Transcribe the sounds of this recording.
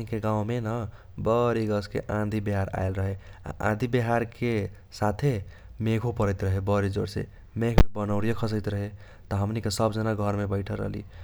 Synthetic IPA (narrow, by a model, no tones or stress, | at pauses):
ɦikeɡãw̃menə | bəɾiɡəskḛʔãd̪ʱibeɦaɾa̰jlɾəɦea̰ʔã̰d̪ʱibeɦaɾke | sat̪ʰe | meɡʰopəɾəjt̪ɾəɦebəɾid͡ʒoɽsḛ | meɡʰmebənəʊɾijəkʰəsəjt̪ɾəɦe | t̪ɔɦəmnikesəbd͡ʒənaɡʱəɾmebəɪʈʰəɾə̰ɦlḭ